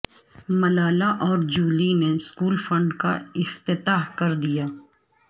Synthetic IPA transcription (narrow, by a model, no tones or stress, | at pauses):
mɐlaːlaʔɔːɾd͡ʒuːlineskuːlfɐ̃ɳɖkaɪft̪ɪt̪aːɦkɐɾd̪ijaː